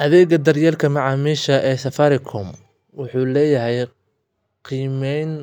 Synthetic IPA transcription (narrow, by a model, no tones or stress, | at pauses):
ʔɐðɛːɣɐd̪ɐrjɛːlkʰɐmɐʕɑːmiːʃɐʔɛːsɐfɐɾɪkʰɔm | wʊħuːlɛːjɐɦɛj | qiːmɛjn